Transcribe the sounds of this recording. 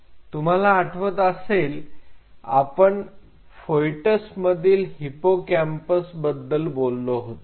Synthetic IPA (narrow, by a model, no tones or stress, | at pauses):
t̪um̤alaːʈʰʋət̪əsel | a̰pəɳ | fojʈəsməd̪ʱiːlɦipokæmpəsbəd̪ːəlbolːoɦot̪o